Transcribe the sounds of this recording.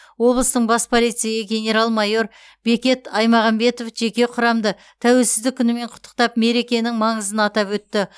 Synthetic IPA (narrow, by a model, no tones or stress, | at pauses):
wo̞blˠəst̪əɴbɑspʰo̞lijt̪sɨjəɡʲe̞nʲe̞ɾalˠmɑjo̞ɾ | be̞kʲe̞t̪ɑjmɑʁɑmbe̞t̪o̞fʒe̞kʲe̞qʰʊɾɑmd̪ə | t̪ʰæwe̞lsɪzd̪ɪkʲʰːʏnɪme̞ɴqʰʊ̥t̪ʰːə̥qt̪ɑp̚me̞ɾe̞kʲe̞nɪŋmɑɴəzənɑt̪ɑpwɵt̪ːɪ